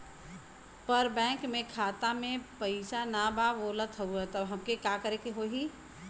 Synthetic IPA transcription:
pəɾbɛ̃ːkmẽkʰaːt̪amẽpəɪsanababoːlət̪ɦəuɛt̪əbɦɐmkekjakəɾekeɦoːɦi

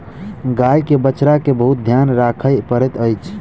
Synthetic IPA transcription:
ɡajkebət͡ʃɾakebəɦut̪̚d̪ʱjanɾakʰəjpəɾɛt̪əjt͡ʃʰ

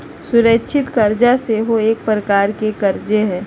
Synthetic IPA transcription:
sʊɾəkʃʰɪt̪kɐɾd͡ʒaseɦoeːk̚pɾəkaːɾkekɐɾd͡ʒeɦɛ̃ː

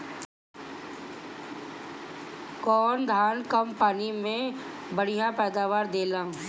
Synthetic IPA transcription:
kɔːnd̪ʱaːnkəmpaːnimẽ | bəɽ̤ijãpɛːd̪aːʋaːɾd̪eːlãː

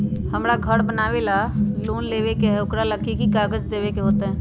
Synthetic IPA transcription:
həmɾaɡʱəɽbənaːʋelaloːnleːʋekeɦɛʊkɾaləkʰːikikaːɡəd͡ʒd̪eːʋekeɦoːt̪eɦɛ̃ː

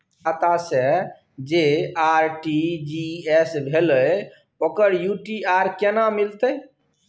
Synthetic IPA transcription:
at̪ase | d͡ʒeaɾʈid͡ʒiesbʱeləj | okəɾjuʈiaɾkenamilt̪əj

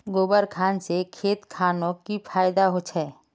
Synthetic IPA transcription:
ɡoːbəɾkʰaːnsekʰeːt̪kʰaːnõkipʰaːjd̪aɦot͡ʃʰɛː

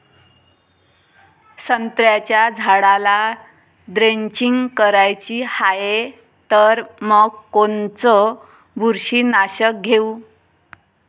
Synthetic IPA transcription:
sənt̪ɾjat͡ɕjad͡zʱaɽala | d̪ɾeɲt͡ɕiŋɡkəɾajt͡ɕihae | t̪əɾməɡkont͡sɔ | buɾɕiːnaɕək̚ɡʱeu

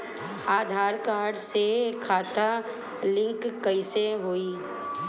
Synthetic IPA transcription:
aːd̪ʱaːɾkaːɽsekʰaːt̪a | lɪ̃ŋkːəiseɦoːiː

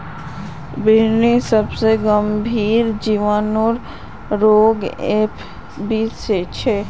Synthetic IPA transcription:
biɾnisəbseɡəmbʱiːɾd͡ʒiʋanoɾ | ɾoɡepʰ | biset͡ʃʰe

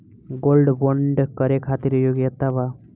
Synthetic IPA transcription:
ɡolɖboɳɖkəɾekʰat̪iɾjoɡjət̪aba

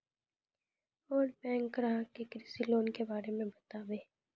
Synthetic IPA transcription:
ɔːɾpɛ̃ːŋkɾaːkekɾɪsɪloːnkebaːɾemẽbɐt̪aːʋeː

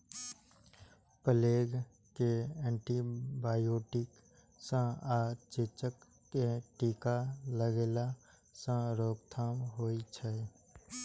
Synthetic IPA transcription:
pəleːɡ | keɛ̃ːɳʈibaːjoːʈɪk | sə̃aːt͡ʃet͡ʃəkː | eʈiːkaləɡeːla | sə̃ɾoːkt̪ʰaːmɦoːit͡ʃʰə

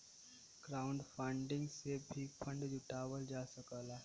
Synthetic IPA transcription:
ɡ̥ɾauɳɖfəɳɖɪ̃ŋɡsebʱiːkpʰəɳɖd͡ʒuʈaʋəld͡ʒasəkəlaː

